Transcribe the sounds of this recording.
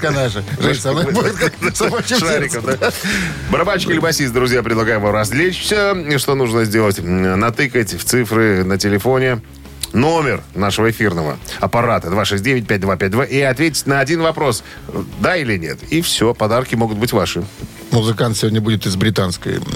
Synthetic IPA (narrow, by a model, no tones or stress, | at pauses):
kɐnaʐɨʐsɐnobuɪt̪kasboʂaɾʲɪkəmd̪a | bəɾabat͡ɕkʲɪlʲɪbɐsʲist̪̚d̪ɾʊzʲjapɾʲɪd̪lˠɐɡajɪmvamɾɐzʲlʲet͡ɕfsʲoʂt̪o̞nuʐnəzʲdʲe̞lˠətʲnɐt̪ɨkətʲft̪sɨfɾɨnətʲɪlʲɪfo̞nʲɪ | nomʲɪrnaʂəvəɪfʲirnəvə̰ɐpɐɾat̪əd̪vaʂɛsʲt̚ʲdʲevʲɪt̚ʲpʲæt̚ʲd̪vapʲɛt̚ʲd̪vaʔiɐt̪vʲet̬ʲɪ̥tʲnəɐdʲinvɐpɾo̞s | d̪ailʲɪnʲe̞̰t̪ifsʲopɐd̪arkʲɪmo̞ɡʊt̪̚bɨtʲvaʂɨ | mʊzɨkant̪sʲɪvʲodʲnʲəbudʲɪt̪ɨzbɾʲɪt̪anskə̰j